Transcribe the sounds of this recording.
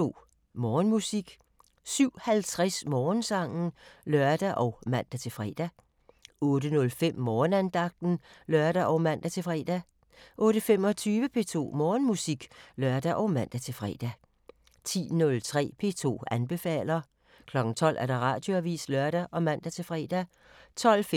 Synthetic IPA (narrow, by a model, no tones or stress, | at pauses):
o̝̰ | mɒːnmusiɡ̥ | syʊ̰hælt͡sʰʁasmɒːnsɑ̈ŋ̰n̩lœɐd̥æʔɒ̽ʊmæn̰d̥æt͡sʰe̝fʁɛ̰d̥æ | ɔ̽ːdənɔ̽lfem̰mɒːnænd̥ɑ̈ɡ̥̚d̥n̩lɶɐd̥æʔɒʊmæn̰d̥æt͡sʰe̝fʁɛ̰ːd̥æ | ʔɔ̽ːɾəfem̰ɒ̽t͡sʰyːʋəpʰe̝ːt͡sʰo̝̰ːmɒːnmusiɡ̥lɶɐd̥æʔɒ̽ʊmæn̰d̥æt͡sʰe̝fʁɛ̰ːd̥æ | t͡sʰḭːnɔ̽lt͡sʰʁɛ̰ːpʰe̝̰t͡sʰo̝̰ːænb̥e̝fɛ̰ːl̰ɐ | kʰlɒ̽ɡ̥n̩t͡sʰɒ̽l̰ʔæɐɾ̥ɑ̈ʁɑ̈ːd̥jo̝æʋḭːslœɐ̰ɾ̥æʔɒ̽mæn̰d̥æt͡sʰe̝lfʁɛ̰ːd̥æ | t͡sʰɒ̽l̰f